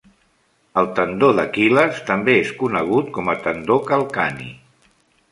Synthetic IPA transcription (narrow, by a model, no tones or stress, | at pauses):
əlˠt̪ənd̪oðəkiləst̪əmbeeskunəɣ̞ut̪̚kɔmət̪ənd̪okəlˠkanḭ